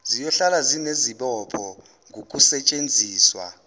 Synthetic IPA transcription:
zijɔɬalazineziɓɔpʰɔ | ŋʱok̬ʼusɛt͡ʃʼend͡zʱiːswa̰

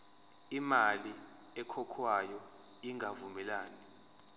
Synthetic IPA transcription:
imali | ɛkʰɔkʰwajɔ | iŋʱavumɛlaːni

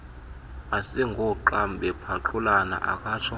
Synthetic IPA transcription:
asiŋɡʱɔǃamɓɛpʰaǁulana̰ʔa̰kʼaːtʰɔ

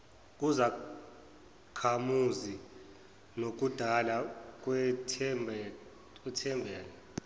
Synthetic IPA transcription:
k̬ʼuza | kʰamuzi | nok̬ud̥ʱalak̬ʼwɛtʰ | k̬wɛtʰɛmbʱɛːlɛ

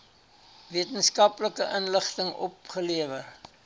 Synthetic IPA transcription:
viətənskɐpləkəʔənləχtəŋɔ̰p̚χəliəvər

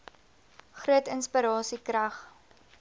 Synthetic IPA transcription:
χruətənspəɾɑːsikrɐχ

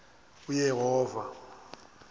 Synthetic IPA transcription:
ujɛɦɔːva

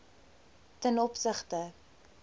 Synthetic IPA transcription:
tənɔpsəχtə

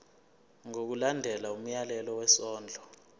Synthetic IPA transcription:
ŋok̬ulandʱɛlaum̩jalɛlɔwɛsɔːnd͡ɮʱɔ

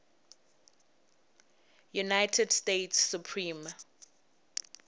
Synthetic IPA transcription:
junajtʰɛdstetsːupʰɹĩm

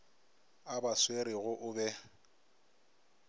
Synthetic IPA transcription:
abasweɾɪɣʊʔʊbɛ

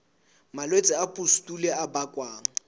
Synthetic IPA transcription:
malwet͡sʼɪapʼustʼulɛabakʼwaːŋ̩

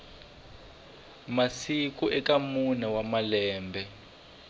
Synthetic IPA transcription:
masikuʔɛkamunawamalɛːmbʱɛ

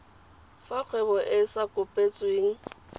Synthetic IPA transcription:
faq͡χʰwɛbɔʔɪsakʼʊpʼet͡sʼweːŋ̩

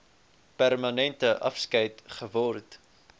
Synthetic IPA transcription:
pærmɐnɛntəʔɐ̰fskəjtχəvɔrt

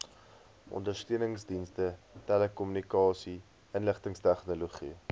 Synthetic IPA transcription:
ʔɔ̰ndərstøənəŋsdinstətɛləkɔmynikɑːsi | ənləχtəŋstæχnoloχi

